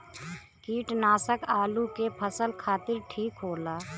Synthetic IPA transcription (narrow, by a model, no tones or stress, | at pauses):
kiːʈnaːsəkaːlukepʰəsəlkʰaːt̪ɪɾʈʰiːkɦoːlaː